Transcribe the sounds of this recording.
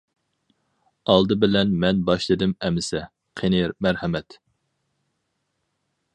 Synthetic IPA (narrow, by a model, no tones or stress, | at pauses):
ɑlˠd̪ɨbɪlɛnmɛnbɑʃlˠɨd̪ɪmɛmɪsɛ | qʰenɪmæɾhɛmɛt̪